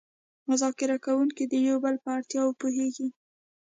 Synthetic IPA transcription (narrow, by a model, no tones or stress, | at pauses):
mʊzɑkɪɾakawuŋkid̪əjowbəlpəaɽt̪jɑwpoɦeɡi